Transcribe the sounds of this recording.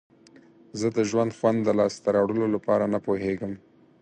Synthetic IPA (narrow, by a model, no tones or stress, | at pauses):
zəd̪əʒwand̪xwand̪ːəlɑst̪aɾɑwɽəlolapɑɾanapoɦeɡəm